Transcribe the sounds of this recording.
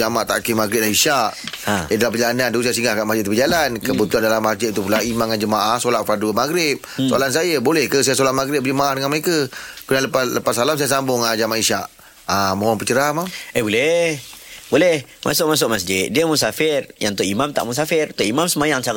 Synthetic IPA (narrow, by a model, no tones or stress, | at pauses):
d͡ʒamaʔt̪a̰ʔkimaɡɾɪt̚lahiʃaʔãjadalapəd͡ʒalanandusajas̬iŋɡahkanmasd͡ʒɪt̪̚bəd͡ʒalankəbut̪uandalamːasd͡ʒɪt̪̚t̪ːup̬ulaimaŋːand͡ʒəmaʔahsolaʔfadumaɡɾɪp̚soa̰lans̬ajəbolɛhkəsajasolaʔ̚maɡɾɪt̚p̚bəd͡ʒəmaʔahdəŋanməɾekəkunaləpaləpasalamsajasambʊŋad͡ʒamaʔiʃaʔ | amoɔŋpət͡ʃəɾamaebolɛ | bolɛhmʔa̰sʊʔmas̬ʊʔ̚masd͡ʒɪt̪̚diəmusafɪrjaŋt̪ʊʔimamt̪a̰ʔmus̬afɪrt̪oʔimamsəmajaŋt͡ʃa